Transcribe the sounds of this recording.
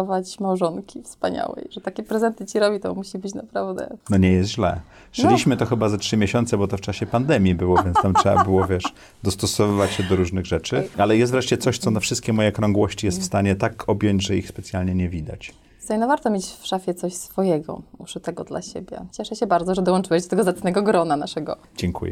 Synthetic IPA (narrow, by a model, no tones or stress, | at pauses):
ɔvat͡ɕmawʐɔŋkʲifspaɲa̰wɛ̰jʐɛt̪akʲɛpɾɛzɛnt̪ɘt͡ɕiɾɔbʲit̪ɔmuɕibɘt͡ɕna̰pɾavd̪ɛ̰nɔɲɛjɛst̪ʑlɛ̰ | ʂɛlʲiɕmɘt̪ɔxɘbazatʂɘmʲjeɕɔnt̪sɛbɔt̪ɔft͡ʂaɕɛpand̪ɛmʲjibɘwɔvʲjɛnst̪amtʂɛa̰bɘwɔvʲjɛʂ | d̪ɔst̪ɔsɔvɘvat͡ɕɕɛd̪ɔɾuʐnɘɣʐɛt͡ʂɘalɛjɛst̪vɾɛʂt͡ɕɛt̪sɔɕt̪sɔnafʂɘst̪kʲɛmɔjɛkɾɔŋɡwɔɕt͡ɕijɛst̪fst̪aɲɛt̪akʰɔbʲjɔɲd͡ʑʐɛixspɛt̪sʲjalɲɛɲɛvʲid̪a̰t͡ɕ | st̪ɛnɔvaɾt̪ɔmʲjet͡ɕfʂafʲjɛt̪sɔɕsfɔjɛɡɔ̰uʂut̪ɛɡɔd̪la̰ɕḛbʲjɛ̰t͡ɕɛʂɛɕɛbaɾd̪zɔʐɛd̪ɔwɔnt͡ʂɨwɛjd̪ɔt̪ɛɡɔzat̪snɛɡɔɡɾɔnanaʂɛɡɔ̰ | d͡ʑɛŋkʰṵjɛ̰